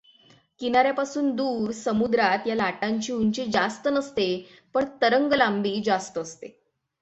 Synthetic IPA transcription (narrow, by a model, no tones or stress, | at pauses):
kinaɾjapasuːnd̪uːɾsəmud̪ɾat̪jalaʈaɲt͡ɕiːuɲt͡ɕid͡zast̪ənəst̪e | pəɳt̪əɾəŋɡəlambiːd͡zast̪əəst̪e